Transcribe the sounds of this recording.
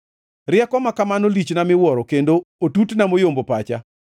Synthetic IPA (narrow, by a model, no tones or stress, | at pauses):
rɪɛkɔmakamanolit͡ʃnamɪwɔɾɔkendootutnamojombopat͡ʃa̰